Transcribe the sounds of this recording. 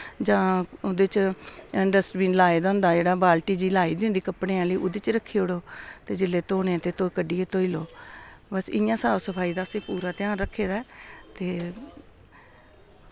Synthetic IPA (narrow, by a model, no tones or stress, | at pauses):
d͡ʒãːʊd̪et͡ʃɪɳɖəsʈbiːnlaːeːd̪ãːʊnd̪aːd͡ʒeːɽaːbaːlʈiːd͡ʒiːlaːiːd̪ɪ̃nd̪iːkəpɽeːãːləiːʔʊd̪eːt͡ʃɾəkʰːiːoɽoːt̪eːd͡ʒɪlːeːt̪oːnẽːt̪eːt̪okəɖiːeːt̪oːiːloːbəsɪjãːsaːʋsəpʰaːiːd̪aːəsẽːpuːɾaːt̪ɪjãːnɾəkʰːeːd̪aːt̪eː